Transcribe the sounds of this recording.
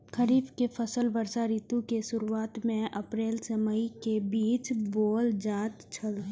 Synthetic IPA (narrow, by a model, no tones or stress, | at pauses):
kʰəɾiːbkepʰəsəlʋəɾsaɾit̪ukesʊɾuaːt̪mẽʔɐpɾeːlsəməikebiːt͡ʃboːld͡ʒaːt̪t͡ʃʰəl